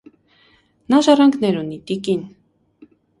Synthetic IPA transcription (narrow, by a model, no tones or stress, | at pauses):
nɑʒɑrɑŋɡʰnɛɾunit̪ikin